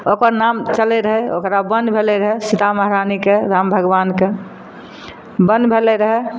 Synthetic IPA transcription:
okəɾnamt͡ʃəlɛɾəɦɛo̰kɾabənbʱelɛɾəɦɛsit̪aməɦɾanikeɾambʱəɡʋanke | bənbʱelɛɾəɦɛ

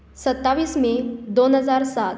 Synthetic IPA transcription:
sət̪ːaʋiːsmed̪onɦəd͡zaɾsat̪

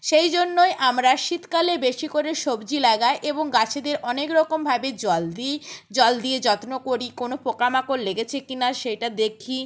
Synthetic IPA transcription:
ʃejd͡ʑonːojʔamɾaʃit̪kalebeʃikoɾeʃobd͡ʑilaɡaeʔeboŋɡat͡ɕʰed̪eɾʔɔnekɾɔkombʱabed͡ʑɔld̪id͡ʑɔld̪ied͡ʑɔt̪nokoɾikonopɾokamakoɾleɡet͡ɕʰekinaʃejʈad̪ekʰi

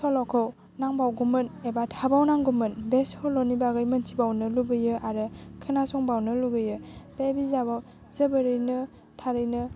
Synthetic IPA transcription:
sɔlɔkʰɯw | naŋbawɡumɯnebatʰabawnaŋɡumɯnbeshɔlɔnibaɡɯjməntʰibawnɯlubɯjɯaɾɯkʰɯnasɔŋbawnɯluɡɯjɯb̥ebizabaw | zəbəɾɯjnɯ | tʰaɾɯjnɯ

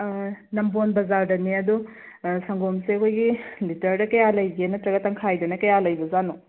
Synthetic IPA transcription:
nɐmbonbɐzaɾdɐniɐdu | sɐŋɡomseɐkʰojɡilitɐɾdɐkɐjalɐjɡenɐtɾɐɡɐtːɐŋkʰajdɐnɐkɐjalɐjbɐzano

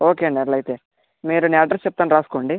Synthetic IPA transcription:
oːkeːɳɖeɾlɐjt̪eː | miːɾunaːɖɐɾst͡ʃɛp̚t̪aːnɾaːsu̥koːɳɖi

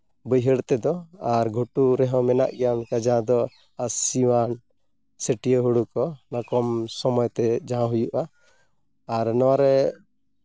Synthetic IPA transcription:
bəjɦəɽt̪ɛd̪ɔaɾɡʱuʈuɾɛɦɔ̃mɛna̰ʔɡɛjamkad͡ʒaɦãd̪ɔ | asiwan | səʈijəɦuɽukɔnakɔmsɔmɔjt̪ɛd͡ʒãɦãɦujuʔaː | ɾnɔwaɾɛ

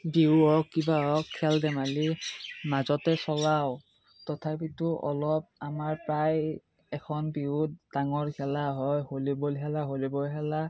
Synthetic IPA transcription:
biɔkːibaɔɔkʰːɛldɛmalimazɔtɛsɔlaw | tɔtʰapitʊʔɔ̰lɔp̚amaɹpɹaj | ɛkʰɔnbiutdaŋɔɹkʰɛlaɦɔjholibolɦɛlaɦolibɔlɦɛla

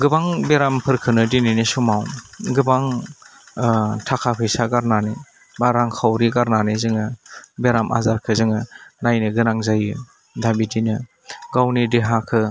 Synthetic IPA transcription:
ɡɯbaŋbeɾampʰɯɾkʰɯnɯdininisumawɡɯbaŋ | tʰakʰapʰɯjsaɡaɾnani | baɾaŋkʰawɾiɡaɾnanizɯŋɯbeɾamʔa̰zaɾkʰɯzɯŋɯnajnɯɡɯnaŋzajɯ | dabidinɯ | ɡawnideɦakʰɯ

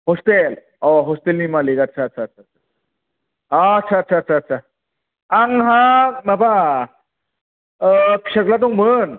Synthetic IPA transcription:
ɦost̪el | oɦost̪elnimalikət̪ːɕʰaːtːɕʰatːt͡ɕʰatt͡ɕʰa | əːtːɕʰaːtːɕʰaːt̪ːɕʰaːt̪ːɕʰa | aŋɦãmaba | ɕəɡlat̪̬okmən

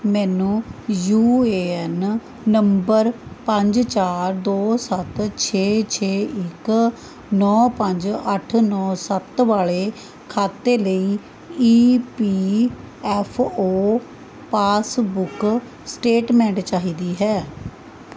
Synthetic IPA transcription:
mɛːnũːjuːeːɛnː | əmbəɾpəɲd͡ʒt͡ʃaːɾd̪oːsət̪t͡ʃʰeːt͡ʃʰeːɪk | nɔːpə̃ɲd͡ʒəʈʰnɔːsət̪ʋaːɭeː | kʰaːt̪eːləiː | iːpiː | ɛːpʰoː | paːsbʊk | sʈeːʈmɛ̃ːɳʈt͡ʃaːɦiːd̪iːɦɛː

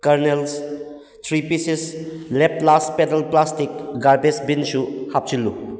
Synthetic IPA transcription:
kɐɾnels | tʰɾipisisleplaspetəlplastikɡaɾbesbinsuhap̚t͡ʃilːu

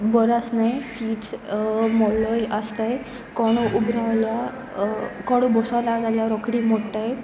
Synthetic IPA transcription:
bɔɾasnajsiːʈ | mɔlɔjəst̪aj | kɔɽ̃ɔʔubɾaʋlja | kɔɽ̃ubɔsalaɾd͡zaljaɾɔkɽimoʈaj

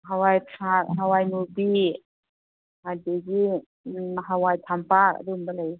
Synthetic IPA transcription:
ɦawajtʰaɦawajnuɾbi | hadeɡi | ɦawajtʰampaka̰dumbalaj

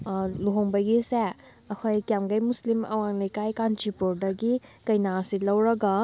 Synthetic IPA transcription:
luɦoŋbɐɡise | ɐkʰojkjamɡɐjmuslimɐ̰waŋlɐjkajkant͡ʃipuɾdɐɡikɐjnasilɐwɾɐɡɐ

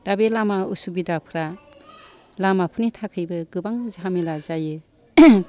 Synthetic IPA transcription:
d̥abelamausubidapʰɾa | lamapʰunitʰakʰɯjbɯɡɯbaŋzɦamilazajɯ

